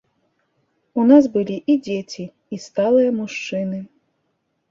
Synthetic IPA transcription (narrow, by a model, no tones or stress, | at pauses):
unazbɨlʲiʔid͡zʲet͡sʲiː | st̪alˠɨjɐmuʂt͡ʂɨnɨ